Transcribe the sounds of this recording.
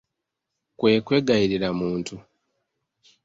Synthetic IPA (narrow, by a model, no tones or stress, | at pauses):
kwe̞ːkwe̞ɡaiɾiɾamuːntu